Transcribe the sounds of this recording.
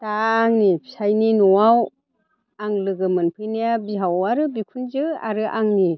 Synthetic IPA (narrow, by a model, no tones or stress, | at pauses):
taːŋnipʰisajninɔwaw | aŋlɯɡɯmɯnpʰɯjnijabiɦawaɾɯbikʰunzɯa̰ɾɯʔaŋni